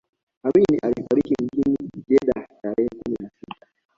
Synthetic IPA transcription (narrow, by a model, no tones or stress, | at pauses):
aminiʔalifaɾikim̩d͡ʒiniʄɛɗataɾɛhɛkuminasitḁ